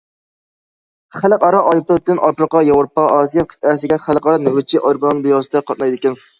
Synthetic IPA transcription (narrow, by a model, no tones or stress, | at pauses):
χælɪqɑɾɑʔɑjplp̚t̪ːɪnʔɑpɾəqɑjɑwɾopːɑʔɑːsijɑkʲʰi̥t̪ʰæɾsɪɡʲɛχælˠqɑɾɑnɪwɪt͡ʃʰːiʔɑɾbonnbijɑsɨt̪ɛqʰɑt̪̚mɑjd̪ɪkʲɪn